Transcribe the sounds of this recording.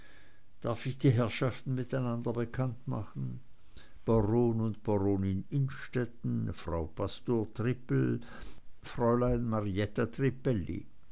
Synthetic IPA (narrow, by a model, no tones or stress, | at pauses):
d̥aɐfɪçd̥iːɦɛɐʃaftn̩mɪtaɪnandɐbəkʰantma̰χn̩ | b̥aʁoːnʊntb̥aʁoːnɪnɪnʃtɛtn̩fʁ̥a̰ʊpʰastoːɐtʁ̥ɪpl̩ | fʁ̥ɔʏlaɪnmaʁiɛtatʁ̥ipɛlḭ